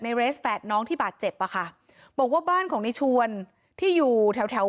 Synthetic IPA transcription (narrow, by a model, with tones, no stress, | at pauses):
na˧jɾeː˦˥sfɛː˨˩t̪̚nɔː˦˥ŋt̪ʰiː˥˩baː˨˩t̪̚t͡ɕe˨˩p̚ʔa˧˩kʰa˥˩ | bɔː˨˩k̚waː˥˩baː˥˩nkʰɔː˩˦ŋni˦˥t͡ɕʰu˧ən | t̪ʰiː˥˩juː˨˩t̪ʰɛ˧wt̪ʰɛ˧˦˥